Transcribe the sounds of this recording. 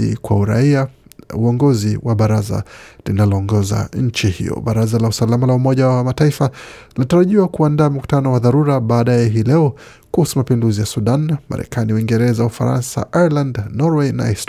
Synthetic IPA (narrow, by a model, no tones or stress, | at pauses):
ḭkwa̰uɾa̰iauɔŋɡɔziwaɓaɾaza̰linalɔːŋɡɔza̰ɲ̩t͡ʃihḭjɔ̰ɓaɾazalausalamalaumɔʄawwamataifazinataɾaʄiwakuandaːm̩ku̥tanɔwaðaɾuɾaɓaːɗajɛɦilɛɔ | kuhusumapinduzijasuɗanma̰ɾɛ̰kaniwiŋɡɛɾɛzaufa̰ɾa̰nsa̰ʔajalandnɔɾwɛna̰ɛst